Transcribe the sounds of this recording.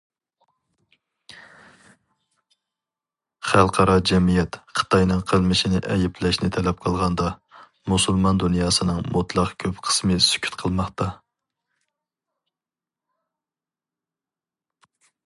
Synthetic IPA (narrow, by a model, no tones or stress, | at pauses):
χælˠqʰɑɾɑd͡ʒɛmijɛt̪qʰə̥t̪ʰɑjnɨŋqʰəlˠmɪʃinɪʔɛjɛplɛʃnɪt̪ʰɛlɛp̚qʰəlˠʁɑnd̪ɑ | musulˠmɑnd̪unjɑːsɨnɨŋmut̪ʰlˠɑqkʲʰøpqʰə̥smɨsy̥kʲʰy̥t̪qʰəlˠmɑχt̪ɑ